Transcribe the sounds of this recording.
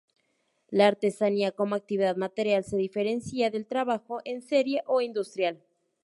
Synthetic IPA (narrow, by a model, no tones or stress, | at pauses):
laːɾt̪e̞saniako̞moak̚t̪iβiðaðmat̪eɾjalse̞ðife̞ɾe̞nsiaðe̞lt̪ɾaβaxoʔense̞ɾjeʔoind̪ust̪ɾjal